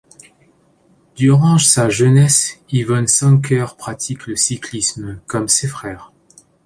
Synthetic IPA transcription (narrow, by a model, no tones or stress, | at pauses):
d̪̥yʁɑ̃saʒənɛsivɔnsɑ̃k̬ʰœʁpχat̪ʰikləsiklismkɔmsefχɛːʁ